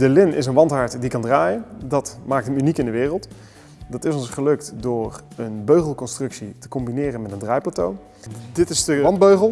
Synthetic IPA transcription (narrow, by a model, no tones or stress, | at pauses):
dəlɪnɪsənʋɑntɦɑɹtdikɑndraːjəndɑtmaːk̚təmynikɪndəʋɪːrəlˠt | dɑtɪsɔnsχəlɵktdʊːrənbøɥχəlˠkɔnstrɵksitə̥kɔmbinɪːrənmɛtəndraːjplaːtow | dɪtɪsdəɑn̚bøɥχəlˠ